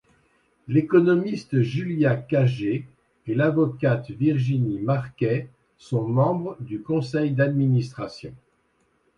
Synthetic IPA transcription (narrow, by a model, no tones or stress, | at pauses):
lekɔnɔmist̪ʒyljakaʒe | elavɔkat̪viʁʒinimaʁkʲɛ | sɔ̃mɑ̃bʁəd̪ykɔ̃sɛjd̪ad̪minist̪χasjɔ̃